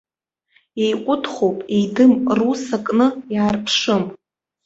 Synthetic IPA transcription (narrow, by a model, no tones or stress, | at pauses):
ejqʷʼʊtʰχowpʼejdɨmrusakʼnɨjaːrpʰʂɨm